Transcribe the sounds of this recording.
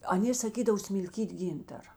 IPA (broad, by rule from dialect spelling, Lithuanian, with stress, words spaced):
ɐˈnʲeː sɐˈkʲiːdɐʋoː sʲmʲɪlʲˈkʲiːtʲ ˈɡʲiːntɐrɐ